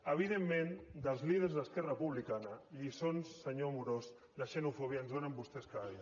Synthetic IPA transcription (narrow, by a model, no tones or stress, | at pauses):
əβ̞iðemːend̪əlˠzlið̞ərzðəskɛrəpuβ̞likanəʎisonsːəɲomuɾos | ləʃənufoβiaənzðonəmbust̪ɛskai